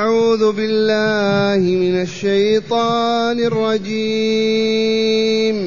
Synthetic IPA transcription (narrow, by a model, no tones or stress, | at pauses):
aʕuːðʊbɪlːaːhɪmɪnaʃːajt̪ˤɑːnɪrˤːɑd͡ʒi | m